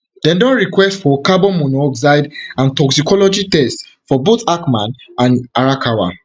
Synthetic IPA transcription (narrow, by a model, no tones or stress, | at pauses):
dɛ̃ndɔ̃nɹikwɛstfɔkabɔ̃mɔnɔɔkzaɪdãntɔksikɔlɔd͡ʒitɛst | fɔbotakmãnãnaɹakʰawa̰